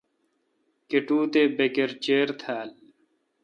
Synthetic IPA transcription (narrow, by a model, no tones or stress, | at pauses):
keʈuːt̪eːbekeɾt͡ɕeːɾt̪ʰaːl